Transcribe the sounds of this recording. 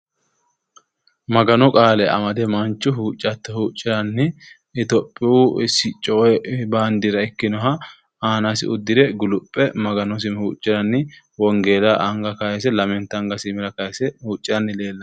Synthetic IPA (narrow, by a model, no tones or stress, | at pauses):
mɐɡɐnɔkʼaːlɛʔɐ̰mɐd̪ɛmɐnt͡ʃːʊɦuːt͡ʃʼːɐt̪ːɛhuːt͡ʃʼːɪɾɐnːɪ | ɪt̪ɔpʼːɪwuɪsɪt͡ʃʼːɔɔɛbaːnd̪iɾɐɪkːɪnɔɦɐ | aːnasɪʊd̪ːɪd̪ɛɡʊlʊpʼːɛmɐɡɐnɔs̬ɪmhuːt͡ʃʼːɪɾɐnːɪ | wɔŋɡeːlaʔɐŋɡɐkɐjɛsɛlɐmɛnt̪ːɐŋɡɐsɪmɪɾɐkɐjɛsɛhuːt͡ʃʼːɪɾɐnːɪle̞ːlːɐ